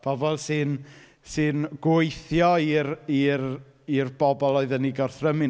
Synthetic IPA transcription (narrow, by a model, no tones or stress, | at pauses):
b̥ʰɔvɔlˠsɨn | sɨnɡ̥wʊɨθjɔirir | irbɔbɔlˠɔɨðəniɡɔrθrəmɪ